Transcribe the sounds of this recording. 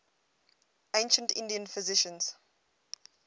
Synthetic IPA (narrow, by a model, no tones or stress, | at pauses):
ẽɪ̃nʃə̃ntɪ̰̃ndiə̃nfɪzɪʃə̃nz̥